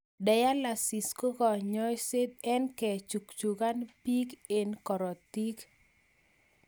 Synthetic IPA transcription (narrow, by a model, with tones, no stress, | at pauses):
dɛ˨ja˦la˨si˨sko˦kɔ˨ɲɔ˦jse˦t̪̚ɛ˦nkɛ˨t͡ʃu˨kt͡ʃu˨ka˦npi˦ke˨nkɔ˨ɾɔ˨t̪i˦k